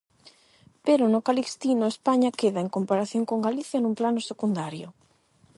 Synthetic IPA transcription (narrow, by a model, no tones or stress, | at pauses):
peɾʊnʊkalikst̪inʊespaɲakeðaeŋkompaɾaθjoŋkoŋɡaliθjɐnuŋplanʊsekund̪aɾjʊ